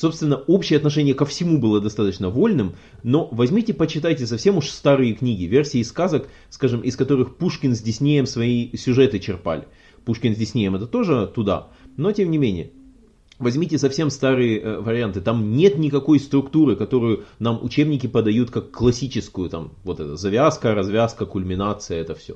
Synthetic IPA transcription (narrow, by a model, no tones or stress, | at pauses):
so̞pst̪vʲɪnːəo̞pɕɪjəɐt̪nɐʂ̬ɛnʲɪjəkəfsʲɪmubɨlˠəd̪ɐst̪at̪ət͡ɕnəvo̞lʲnɨm | no̞vɐzʲmʲitʲɪpət͡ɕɪt̪ajtʲɪs̬ɐfsʲe̞mʊʂst̪aɾɨjəknʲiɡʲɪvʲe̞rsʲɪːskazək | skaʐɨmʔɪskɐt̪o̞ɾɨxpuʂkʲɪnzʲdʲɪsʲnʲejəmsvɐisʲʊʐɛt̪ɨt͡ɕɪrpa̰lʲɪ | puʂkʲɪnzʲdʲɪsʲnʲejəmɛt̪ət̪o̞ʐɨt̪ʊd̪a̰no̞tʲemnʲɪmʲenʲɪ̰jə | vɐzʲmʲitʲɪsɐfsʲe̞mst̪aɾɨjəvəɾʲɪant̪ɨt̪amnʲe̞t̪nʲɪkɐko̞jst̪ɾʊkt̪uɾɨkɐt̪o̞ɾʊjʊnamʊ̰t͡ɕebnʲɪkʲɪpəd̪ɐjut̪kakːlˠɐsʲit͡ɕɪskʊjʊt̪amvo̞t̪ɛt̪əzɐvʲaskəɾɐzvʲaskəkʊlʲmʲɪnat̪sɨjəɛt̪əfsʲo̰